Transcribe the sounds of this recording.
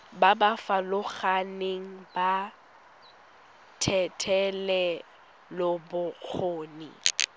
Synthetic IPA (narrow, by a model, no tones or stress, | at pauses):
babafalʊχaneŋ̩ba | tʰɛtʰɛlɛ | lʊbʊk͡xʰoːnḭ